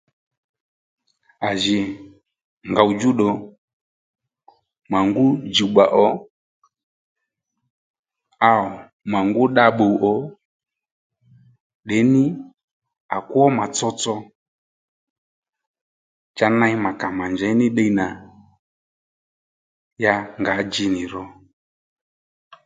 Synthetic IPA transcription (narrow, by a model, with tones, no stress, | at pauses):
a˨ʒi˨ | ŋɡa˨u˨d͡ʒu˦ɗɔ˨ | ma˨ŋɡu˦d͡ʒi˨ɡ͡ba˨ʔɔ˨˦ | a˨ɔ˨ | ma˨ŋɡu˦ɗa˧ɓo˨u˨ʔɔ˨˦ | ɗɛ˨˦nɪ˦ | a˨ku˦ɔ˦ma˨t͡sɔ˦t͡sɔ˧ | t͡ʃa˧na˧˦i˦ma˨ka˨ma˨nd͡ʒɛ˨˦ni˦ɗe˦˧i˦na˨ | ja˧ŋɡa˨˦d͡ʒi˧ni˨ɾɔ˨